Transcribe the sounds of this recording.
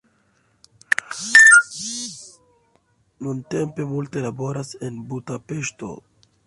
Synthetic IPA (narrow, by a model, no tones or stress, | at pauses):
nunte̞mpe̞multe̞labo̞ɾase̞nbudape̞ʃto̞̰